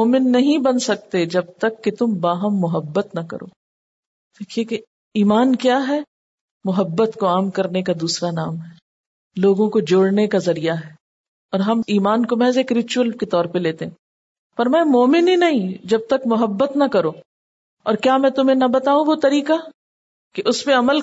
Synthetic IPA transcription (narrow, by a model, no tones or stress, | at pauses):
moːmɪnːɐɦĩbɐnsɐk̚t̪ed͡ʒɐb̚t̪ɐkːet̪ʊmbaːɦəmːʊɦəbːət̪nɐkɐ̰ɾo̰ː | d̪̥eːkʰieke | iːmaːnkjaːɦɛː | mʊɦəbːət̪koaːmkɐɾnekad̪uːsɾanaːmɦɛ | loːɡõkod͡ʒoːɽnekazɐɾijaɦɛː | ɔːɾɦɐmiːmaːnkomɛːzekɾɪt͡ʃuəlket̪ɔːɾpeleːt̪eɦɛ̃ː | fɐɾmaːjmoːmɪninɐɦĩd͡ʒɐb̚t̪ɐkmʊɦəbːət̪nɐkɐɾoː | ɔːɾkjaːmɛ̃ːt̪ʊmẽnɐbɐt̪aːũʋot̪ɐɾiːka | keʔʊsmẽɐməl